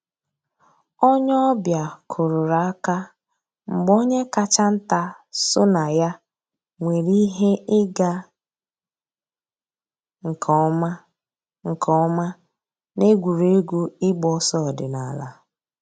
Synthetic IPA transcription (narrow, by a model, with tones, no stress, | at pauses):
ɔ˦ɲ˦ɔ˦bja˨kʰʊ˨ɾʊ˨ɾa˨a˦ka˦ | ŋ͡m̩˨ɡ͡bo˦ɲe˦ka˦t͡ʃa˦n̩˦ta˦ | sʊ˦na˨ja˦ | ŋʷe˨ɾi˦ɦe˦ʔɪ˦ɡa˦ | ŋ̩˨kʰɔ˦ma˦ | ŋ̩˨kʰɔ˦ma˦ | ne˦ɡʷu˨ɾe˦ɡʷu˦ɪ˦ɡ͡bɔ˦sɔ˦˨dɪ˨na˨la̰˨